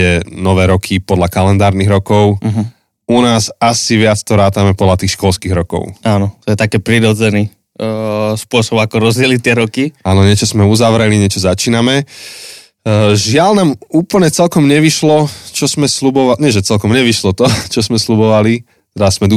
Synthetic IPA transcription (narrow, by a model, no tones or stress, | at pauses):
ɛnɔʋɛːɾɔkʰipɔd̪lakalɛnd̪aːɾniɣɾɔkɔʊɦ | unaːsasiʋɪat͡st̪ɔɾaːt̪amɛpɔd̪lat̪iːxʃkɔlskiːɣɾɔkɔ̰ʊaːnɔt̪ɔjɛt̪akɛːpɾiɾɔd͡zɛni | spʊɔsɔbakɔɾɔzdɛlit̪ɪɛɾɔkiaːnɔɲɛt͡ʃɔsmɛuzaʋɾɛliɲɪɛt͡ʃɔzat͡ʃiːnamɛ | ʒɪalnaːmuːpl̩ɲɛt͡sɛlkɔmɲɛʋiʃlɔt͡ʃɔzmɛslubɔʋaɲɛʒɛt͡sɛlkɔmɲɛʋiʃlɔt̪ɔt͡ʃɔzmɛslubɔʋali | t̪ɛd̪az̥mɛd̪